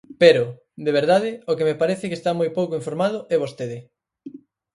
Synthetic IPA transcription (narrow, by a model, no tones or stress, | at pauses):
peɾʊ | d̪eβ̞eɾðaðɪokemepaɾeθɪkest̪amojpowkoiɱfoɾmað̞ʊʔɛβ̞ost̪eð̞ɪ